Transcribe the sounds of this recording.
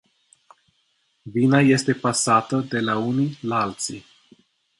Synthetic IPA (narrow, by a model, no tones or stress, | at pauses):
vinaje̞st̪e̞pasat̪əd̪e̞launilalt̪si